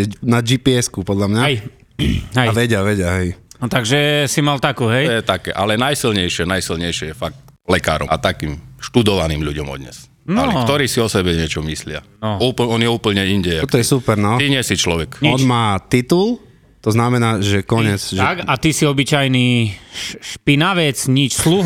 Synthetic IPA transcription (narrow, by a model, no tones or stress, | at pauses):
ɛnad͡ʒiːpiɛskupɔd̪ʎamɲaj | ɦɛaʋɛɟɪaʋɛɟɪaɦɛjnɔt̪aɡʒɛsimalt̪akuːɦɛjjɛt̪akɛ̰ːʔalɛnajsilɲɛjʃɪɛnajsilɲɛjʃɛjɛfak̚t̪lɛka̰ːɾɔ̰at̪akiːmʃt̪ud̪ɔʋaniːmʎuɟɔmɔ̰d̪ɲɛ̰s | naɔlɛkt̪ɔɾiːsiɔsɛbɛɲɛt͡ʃɔmislɪa̰nɔuːpl̩ɔnjɛuːpl̩ɲɛinɟɛjt̪ɔjɛsupɛɾnɔiɲɛsit͡ʃlɔʋɛkɲiɔnmaːt̪it̪ul | t̪ɔznamɛnaːʒɛkɔɲɪɛt͡sʒɛakat̪isiɔbit͡ʃajniː | ʃpinaʋɛt͡sɲit͡ʃslu